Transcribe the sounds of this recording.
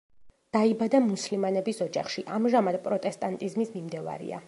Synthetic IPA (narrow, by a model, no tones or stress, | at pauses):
d̪̥aibad̪amuslimanɛbisɔd͡ʒaχʃiʔamʒamad̪̥pʼɾɔt̪ʼɛst̪ʼant̪ʼizmismimd̪ɛva̰ɾḭa̰